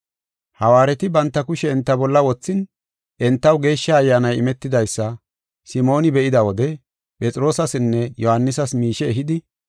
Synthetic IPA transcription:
hɐwaːɾɛt̪ɪbɐnt̪ːɐkʊʃɛːnt̪ːɐbɔlːɐwɔt͡sːɪn | ʔɛnt̪ːɐwɡe̞ːʃːɐːjːanɐjɪmɛt̪ːɪd̪ɐjsːɐ | sɪmo̞ːnɪbɛʔɪd̪ɐwɔd̪ɛ | pʼɛt͡sʼɪɾo̞ːsɐsɪnːɛjɔhɐnːɪsɐsmiːʃɛːɦɪd̪ɪ

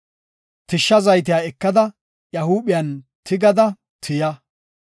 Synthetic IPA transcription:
t̪ɪʃːɐzɐjt̪̬ɪjaːɛkːɐd̪ɐ | jɐhuːɓɪjɐːn | t̪ɪɡɐd̪ɐ | t̪ʰɪjɐ

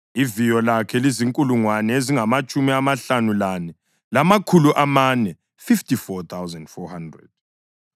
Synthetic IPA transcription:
ivijɔlakʰɛliziŋkʼuluŋwanɛeziŋamat͡ʃʼumiamaɬanulanɛ | lamakʰuluʔamanɛ | fiftʰʼifɔt̪ʰawzandfɔhandrɛ̰d̥̚

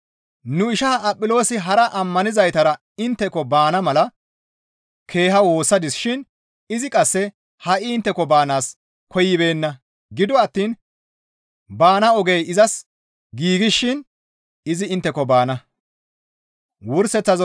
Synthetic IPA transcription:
nʊɪʃɐɐpʼːɪlo̞ːsɪɦɐɾɐʔɐmːɐnɪzɐjt̪ɐɾɐ | ɪnt̪ːɛkɔbaːnɐmɐlɐ | kʰe̞ːhɐwo̞ːsːɐd̪ɪsʃɪn | ɪzɪkʼɐsːɛ | hɐʔɪɪnt̪ːɛkːɔbaːnaːs | kʰɔjːɪbe̞ːnːɐ | ɡɪd̪ɔɐt̪ːiːn | baːnɐɔɡejɪzɐs | ɡiːɡɪʃːɪn | ɪzɪɪnt̪ːɛkɔbaːnɐ | wʊɾsɛt͡sːɐz

